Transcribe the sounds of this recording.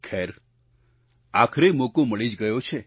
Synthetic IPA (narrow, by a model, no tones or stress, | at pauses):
kʰeɾ | akʰɾemokoməɭid͡ʒɡəjot͡ʃʰe